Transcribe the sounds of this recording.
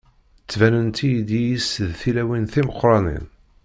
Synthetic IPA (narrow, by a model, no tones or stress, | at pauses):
t͡sːvænənt̪ijid̪ijisðθilæwinθiməqːɾˤɑnḭn